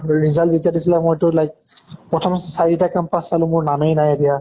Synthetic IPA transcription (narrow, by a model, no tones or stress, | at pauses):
ɹizalditiadisilɛmojtʊlajk̚ | pɹɔtʰɔmsaɹitakampasːalʊ̃mʊɹnanejnajadija